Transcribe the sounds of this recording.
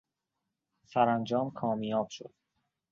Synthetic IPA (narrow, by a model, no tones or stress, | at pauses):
sæɾænd͡ʒɒːmkʰɒːmijɒːb̥ʃo̰d̪̥̚